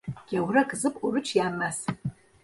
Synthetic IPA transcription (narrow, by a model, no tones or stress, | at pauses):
ɡ̥ʲawrakʼzɨpʼurɨt͡ʃʰjaːmːas